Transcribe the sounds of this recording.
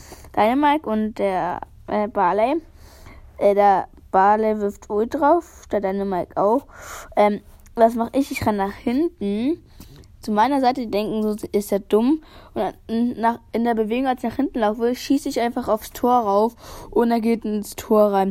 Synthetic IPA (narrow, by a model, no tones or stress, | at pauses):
d̥aɪnəmaɐkʊnt̚d̥eːɐ | ʔɛːbaːlɛɪ | ʔɛːdeːɐ | b̥aːlɛɪvɪɐftoːdʁaʊfd̥eːɐdaɪnəmaɐkʔa̰ʊfʔɛːm | vas̬maχəɪçɪçʁanːaːχhɪntn̩ | t͡sumaɪnɐzaɪtədiːdɛŋkŋ̩zoɪsteːɐd̥ʊmʔʊnnaχʔɪndeːɐbəveːɡʊŋalsɪçnaːχhɪntn̩laʊfvɪlʃiːsəɪçʔaɪnfaχaʊfstʰoːɐʁaʊfʔʊndɛɐɡeːtɪnstʰoːɐʁaɪn